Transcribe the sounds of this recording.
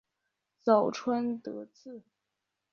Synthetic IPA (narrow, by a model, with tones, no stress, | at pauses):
t͡sɑ˨˩ʊʈ͡ʂʰwə˥nt̪ɤ˧˥t͡sɹ̩˥˩